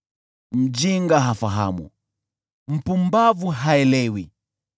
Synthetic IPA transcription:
m̩d͡ʒiŋɡaɦafaɦa̰mṵ | m̩pumbavuɦaɛlɛwi

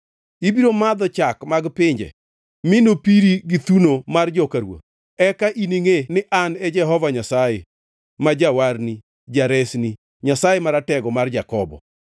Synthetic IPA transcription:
ibiɾomad̪ɔt͡ʃakmaɡpɪɲd͡ʒɛ̰ | mɪnopiɾiɡit̪unomard͡ʒɔkaɾwo̰t̚ | ɛkaʔiniŋenɪʔanɛd͡ʒɛɦɔvaɲasaje | mad͡ʒawaɾni | d͡ʒaɾɛsni | ɲasajemaɾatɛɡɔmard͡ʒakɔbɔ̰

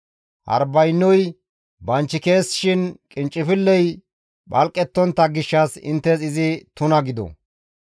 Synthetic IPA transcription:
hɐ̰ɾbɐjnːɔj | bɐnt͡ʃːɪke̞ːsːɪ̥ʃɪnkʼɪnt͡ʃʼːɪfɪlːɛj | ɓɐlkʼːɛt̪ːɔnt̪ːɐɡɪʃːɐsɪ̰nt̪ːɛsɪzɪt̪ʊnɐɡɪd̪ɔ̰

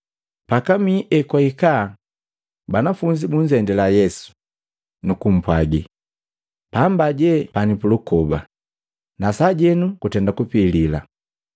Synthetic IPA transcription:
pakamiːʔɛkwaikaː | banafuɲd͡ʒibuɲd͡ʒɛndɛlajɛsu̥ | nukum̩pwaɡi | paːmbaɟɛpanipulukɔba̰ | nasaɟɛnukutɛndakupiːlila̰

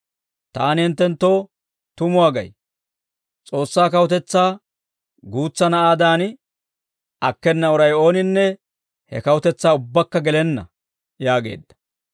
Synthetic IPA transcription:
t̪aːnhɪnt̪ːɛnt̪ːo̞ː | t̪ʊmʊwaːɡɐ̰j | t͡sʼo̞ːsːaːkɐwʊt̪ɛt͡sːaː | ɡuːt͡sːɐnɐʔaːd̪aːn | ɐkːɛnːɐɔɾɐjo̞ːnɪnːɛ | hɛ̰kɐwʊt̪ɛt͡sːaːʊbːɐkːɐɡɛlɛnːɐ̰ | jaːɡe̞̰ːd̪ːɐ̥

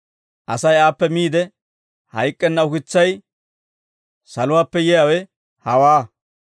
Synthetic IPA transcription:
ʔɐsɐjaːpːɛmiːd̪ɛ | hɐjkʼːɛnːɐʊkɪt͡sːɐj | sɐlʊwaːpːɛjɛjawɛ | hɐwaː

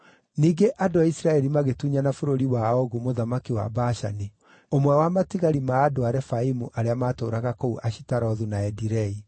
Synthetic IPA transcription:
niːɡeʔadoaisɾaɛɾimaɣetuɲanafoɾoɾiwaɔɣumoðamakiwa̰baʃa̰ni | omwɛwamatiɣaɾimaːdoaɾɛfaimuʔaɾeamaːtoːɾaɣakouʔaʃi̥taɾɔðunaɛdiɾɛi

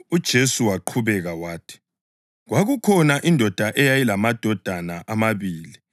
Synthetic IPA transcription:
ud̥ʒ̥ʱesuwaǃʰuβɛɣawaːtʰi̥ | ɣwaɣukʰɔnaʔindʱɔd̥ʱaʔɛjajilamad̥ʱɔd̥ʱanaʔamaβiːli

